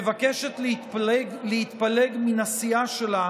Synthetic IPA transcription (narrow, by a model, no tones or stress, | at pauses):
evakeʃet̪l | lehit̪paleɡminasiaʃela